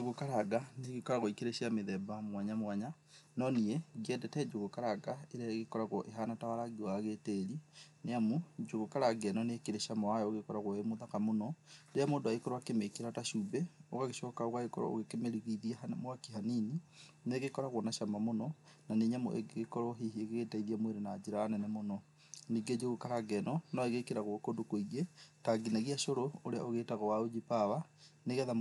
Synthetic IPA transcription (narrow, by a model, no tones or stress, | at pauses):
d͡ʒoɣokaɾaɡaneɣekɔɾaɣoikeɾeʃiameðɛbamwaɲamwaɲa | nɔnieɡiɛdɛtɛd͡ʒoɣokaɾaɡaeɾɛɣekɔɾaɣɔʔeɦanatawaɾaɡiwaɣeteɾineamud͡ʒoɣokaɾaɡɛnɔneekeɾeʃamɔajɔoɣekɔɾaɣwɔemoðakamonɔdeamoːndoaikɔɾoakemekiɾataʃubeoɣaɣeʃɔkaoɣwaekɔɾɔ̰o̰ɣekemeɾiɣiðiamwakiɦaninineɣekɔɾaɣɔnaʃamamonɔnaneɲamo̰ʔḛɡeɣekɔɾɔɦihieɣeɣetaiðiamweɾenaːd͡ʒeɾaːnɛnɛmonɔ | niːɡed͡ʒeɣokaɾaɡɛnɔnɔeɣekeɾaɣwɔkondokoiɣetaɡinaɣiaʃoɾooɾeaoɣetaɣɔwaod͡ʒipawaneɣɛðam